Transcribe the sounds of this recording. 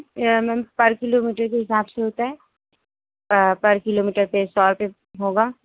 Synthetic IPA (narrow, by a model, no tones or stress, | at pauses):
mɛ̃ːmpɐɾkɪloːmiːʈəɾkeɦɪsaːbseɦoːt̪aɦɛː | pɐɾkɪloːmiːʈəɾpesɔːɾpe | ɦoːɡaː